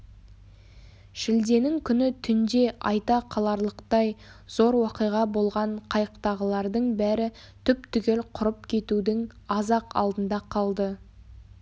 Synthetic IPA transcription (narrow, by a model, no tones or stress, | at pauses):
ʃɪld̪e̞nɪŋkʲʰʏnɪt̪ʰʏnd̪e̞ʔɑjt̪ɑqʰɑlˠɑɾlˠəqt̪ɑj | zo̞ɾwɑqəjʁɑbo̞lˠʁɑɴqʰɑjəqt̪ɑʁəlˠɑɾd̪əɴbæɾɪ | t̪ʰʏpt̪ʰʏkʲe̞lqʰʊɾəp̚kʲʰe̞t̪ud̪ɪŋ | ɑzɑqɑ̰lˠd̪ənd̪ɑqʰɑlˠd̪ə